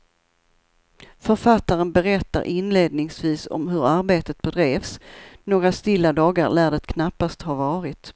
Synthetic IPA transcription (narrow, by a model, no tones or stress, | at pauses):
fœɾfat̪ːaɾənbɛɾɛt̪ːa̰ɾʔɪnleːd̪̚nɪŋsviːsɔ̰mɦɵɾaɾbeːt̪ət̪̚bɛd̪ɾeːvsnoːɡɾast̪ɪlːad̪ɑːɡaɾlæːɖət̪kʰnapːast̪haɾvɑːɾɪt̪